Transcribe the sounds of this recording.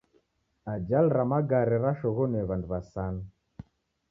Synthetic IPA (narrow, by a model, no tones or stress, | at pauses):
ad͡ʒalɾamaɡaɾɛɾaʃɔɣɔnɛβanduβasana